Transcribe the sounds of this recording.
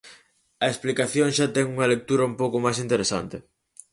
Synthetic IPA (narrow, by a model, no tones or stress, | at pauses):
ɐeksplikaθjoŋʃat̪ɛŋuŋɐlek̚t̪uɾɐumpowkomajsint̪eɾesa̰nt̪ɪ